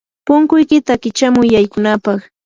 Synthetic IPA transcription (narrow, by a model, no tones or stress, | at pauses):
pʊŋkʊjkɪt̪akɪt͡ʃamʊjːajkʊnapɑχ